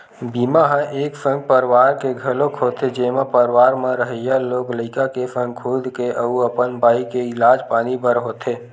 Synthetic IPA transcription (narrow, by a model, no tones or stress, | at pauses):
biːmaɦə̃ʔeːksə̃ŋɡ̚pəɾwaːɾkeɡʱəlõkʰoːt̪ʰed͡ʒeːmãpəɾwaːɾmãɾəɦəjaloːkləɪkakefə̃ŋɡkʰuːd̪keʔəuəpənbaːikeɪlaːd͡ʒpaːnibəɾɦoːt̪ʰeː